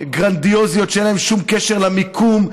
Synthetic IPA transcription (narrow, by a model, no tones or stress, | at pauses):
ɡʁand̪io̞zijo̞tʃeenlaemʃumkeʃeʁlamikʰum